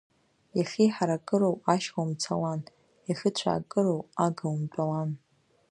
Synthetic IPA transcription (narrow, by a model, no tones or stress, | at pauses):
jaχʲiħaɾakʼɨɾowaʃχamt͡sʰawan | jaχʲɪt͡ɕʷʰa̰ːkʼɨɾowaɡawmtʼalan